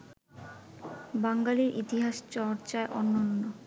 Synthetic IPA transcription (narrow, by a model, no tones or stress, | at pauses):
baŋɡaliɾʔit̪iɦaʃt͡ɕɔɾt͡ɕaeʔɔnːonːo